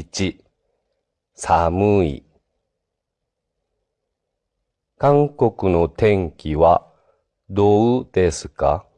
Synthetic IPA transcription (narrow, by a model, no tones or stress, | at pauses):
t͡ɕi | samɯḭ | kãŋko̞kɯ̟no̞t̪ʰẽ̞ŋkʲiβa | d̪o̞ɯd̪̥e̞sɨ̥ka̰